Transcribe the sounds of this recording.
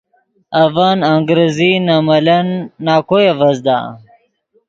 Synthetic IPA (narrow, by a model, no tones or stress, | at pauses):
ɐvanaŋɡɾezinamɐlɐnːaːkojevɐzd̪a̰